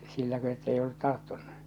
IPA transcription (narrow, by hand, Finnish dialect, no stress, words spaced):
silːækø etːei olːut tɑrtːunːu